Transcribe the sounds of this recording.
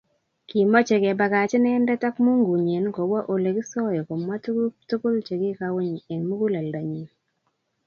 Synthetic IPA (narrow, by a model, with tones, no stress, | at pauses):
ki˨ma˦t͡ʃe˨ɡe˨ba˨ka˨t͡ʃe˦nɛ˦nda˦ta˦kmu˦ŋɡu˨ɲe˨nko˨wa˦ʔo˨le˨ki˦sɔ˦jɔ˨ko˨mːa˦ttu˦ko˦lt͡ʃe˨ɡi˦ka˦we˦ɲ˨e˨ŋmu˦ɡu˦la˨lda˨ɲi˨